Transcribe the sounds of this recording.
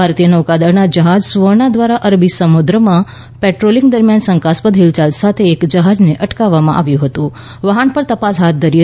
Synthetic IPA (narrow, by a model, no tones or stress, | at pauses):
aɾt̪ijənəukad̪əɾnad͡ʒəɦad͡ʒsʋəɾɳad̪ʋaɾaʔəɾbisəmud̪ɾəmã | pɛʈɾoliŋɡd̪əɾmjansə̃ŋkaspəd̪ʱɦilt͡ʃalsat̪ʰeːkd͡ʒəɦad͡ʒneʔəʈkaʋːamã̰ʔa̰ʋjũɦət̪ũ | ʋəɦanpəɾt̪əpasɦat̪̚ʰd̪ʱəɾi